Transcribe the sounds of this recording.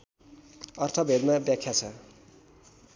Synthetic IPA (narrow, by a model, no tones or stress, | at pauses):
ʌrt̪ʰʌbʱed̪mabjakʰːjat͡sʰʌ